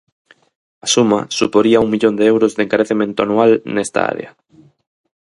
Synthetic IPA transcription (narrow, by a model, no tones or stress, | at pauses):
asuma̰supoɾiauŋmiʎond̪eewɾozðeŋkaɾeθemẽnt̪oʊanualnest̪a̰a̰ɾḛa